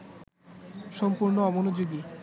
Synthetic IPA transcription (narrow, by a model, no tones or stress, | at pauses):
ʃɔmpuɾnoɔbonud͡ʑoɡi